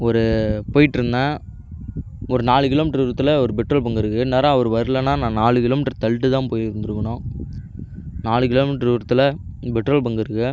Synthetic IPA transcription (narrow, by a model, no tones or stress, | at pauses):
ɔɾɯpoːjɪʈːɯɾɯnd̪ãː | ɔɾɯnaːɭɯkɪloːmɪʈːɐɾʋɪɾɐt̪ːɯlɐɔɾɯbɛʈrɐlbɐŋɡɪɾɯkːɯneːɾaɐʋɐɾɯʋɐɾlɐnːaːnãːnaːɭɯkɪloːmɪʈːɐɾt̪ɐlʈːɯt̪ãːpoːjɪɾɯnd̪ɯɾɯkːɐɳõː | naːɭɯkɪloːmɪʈːɐɾʋɪɾɐt̪ːɯlɐbɛʈrɐlbɐŋɡɪɾɯkːɯ